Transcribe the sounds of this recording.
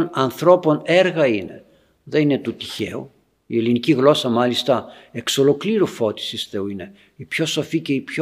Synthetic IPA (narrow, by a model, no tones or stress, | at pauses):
nɐnθɾo̞po̞ne̞ɾɣɐine̞̰ | ðe̞nine̞t̪ut̪i̥çe̞̰u | ie̞liniciɣlo̞sɐmɐlist̪ɐe̞kso̞lo̞kliɾufo̞t̪i̥sisθe̞uine̞ | ipço̞so̞fice̞ipço